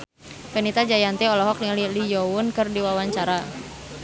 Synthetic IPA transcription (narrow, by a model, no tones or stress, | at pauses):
kənit̪ad͡ʒajant̪ɛɔlɔɦɔk̚llijɔʊnkɨrdiwawaɲt͡ʃaɾa